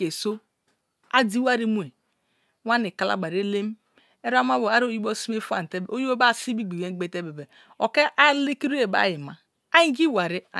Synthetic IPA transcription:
e˨so˦ | a˦di˦wa˦ɾi˦mu˦e˨˦ | wa˦ni˨ka˨la̰˦ɡ͡ba˨ɾe˦le˦m˦ | e˦ɾa˦ma˦bo˨a˦ɾo˦ji˦bo˦si˦e˦fa̰˨n˨te˦bo˦ji˦o˦ba˦˨si˦bi˦ɡi˨je˦ɡ͡be˨te˦be˨be˨ | o˨ke˦ʔa˦le˦ki˦ɾu˦e˨ba̰˦˨ji˨ma˨ | a˦i˦ɡi˦wa˨ɾi˦a̰˨

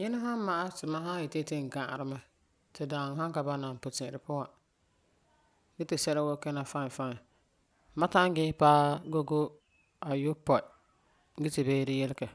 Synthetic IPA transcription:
jɪ˦nɪ˦ɦa˦m˦ma˨ʔa˦tʊ˨ma˦ɦa˦jɪ˨te˦te˦ŋ˨ɡã˨ɾɪ˨˦ma˦ | tɪ˨da˨ŋ˨ɦa˦ŋka˨ba˦na˨pʊ˨tɪ̃˨ɾɪ˨pʊ˦wa˨˦ | ɡɪ˦tɪ˨sɛ˦lɛ˦wo˦kɛ˦na˨fa˦n˨fa˦n˨ | ma˦ta˦ŋ˦ɡɪ˦paː˦ɡo˦ɡo˦ | a˨jo˦pɔ˨˦ | ɡɪ˦tɪ˨beː˦ɾɪ˦jɪ˦lɪ˦kɛ˨

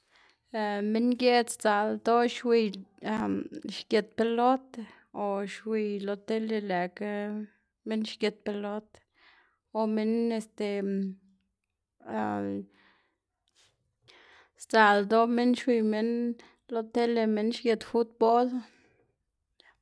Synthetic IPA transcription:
me˦nɡje˦t͡st͡sa˨ld̪o˦ʃwi˧j | ʃɡʲe˨t̪̚pe˧lo˦t̪ | o˨ʃwi˧jlo˧t̪e˦le˧le˨k | me˦nʃɡe˧˨t̪̚pe˧lo˦t̪ | o˨me˧ne˧st̪e˨ | st͡sa˨ld̪o˦me˦nʃwi˧jme˦n | lo˧t̪e˦le˧me˦nʃɡʲe˨t̪fu˦t̪̚bo˦l

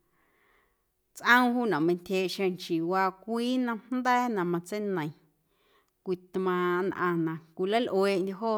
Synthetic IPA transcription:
t͡sʔə̃˦w̃ɦuː˦˨nã˨mə̃˧ntʲheː˧˨ʔʃẽ˧ŋt͡ʃiː˨waː˧kʷiː˦nã˧nnd̪ɛː˦nã˨mã˧t͡se˦nə̃˨j̃ | kʷi˨t̪mã˧nʔã̰˧nã˨kʷi˨la˦lʔweː˧˨ʔndʲe˧ɦoː˦

